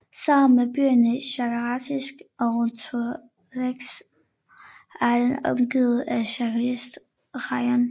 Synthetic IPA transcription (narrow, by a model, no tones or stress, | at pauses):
sɑ̈m̰n̩meb̥y̰ːɐnəɕɑɡ̥ɑʁɑt͡sʰisɡ̥ɒʁot͡sʰu | leɡ̥s | æɐd̥enɒ̽mɡ̥iːð̩ˠæɕɑkʰlisd̥ | ʁɑɪɐn